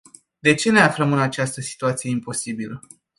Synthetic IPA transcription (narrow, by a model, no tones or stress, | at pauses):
d̪e̞t͡ʃe̞ne̞afləmɨnat͡ʃast̪əsi̥t̪uat̪sijeimpo̞sibilə